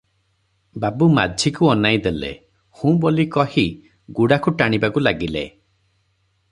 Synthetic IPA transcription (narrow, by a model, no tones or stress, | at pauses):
babuma̰d͡ʒʱikuɔnajd̪elḛ | hũbolikɔhi | ɡuɽakuʈaɽ̃ibakulaɡilḛ